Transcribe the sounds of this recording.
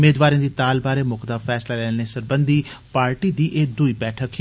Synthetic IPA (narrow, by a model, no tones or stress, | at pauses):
meːd̪ʋaːɾĩːd̪iːt̪aːlbaːɾeːmʊkd̪aːfʰɛːslaːlɛːneːsəɾbənd̪iːpaːɾʈiːd̪iːʔeːd̪uiːbɛːʈʰək